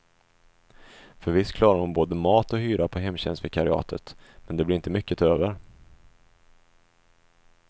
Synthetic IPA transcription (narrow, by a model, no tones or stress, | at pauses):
fœɾvɪskʰlɑːɾaɾhʊnboːd̪əmɑːt̪ɔhyːɾapʰɔɦɛmːɕɛ̰nst̪fɪkʰaɾɪɑ̰ːt̪ʰə̰t̪mɛnd̪ɛblɪɾɪnt̪əmʏkːət̪ʰøːvəɾ